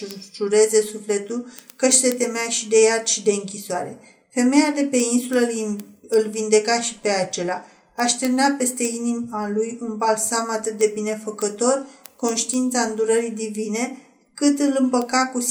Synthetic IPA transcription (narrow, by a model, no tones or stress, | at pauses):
lʒuɾe̞ze̞sufle̞t̪ulkəʃse̞t̪e̞meaʃid̪e̞jat̪ʃid̪e̞ɨŋkʲisoaɾe̞̰ | fe̞me̞jad̪e̞pe̞insulə | ɨlvind̪e̞kaʃi̥pe̞at͡ʃe̞laː | ʃt̪ernape̞st̪e̞inimalujunbalsamat̪ɨt̪̚d̪e̞bine̞fəkət̪o̞rko̞nʃt̪iint̪saɨnd̪uɾəɾid̪ivine̞ | kɨt̪ɨlɨmpəkakus